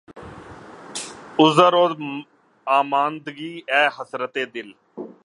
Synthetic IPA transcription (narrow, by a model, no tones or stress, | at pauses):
ʊzaɾoːd̪ | aːmaːnd̪ɡiːɛːhəsɾət̪eːd̪ɪl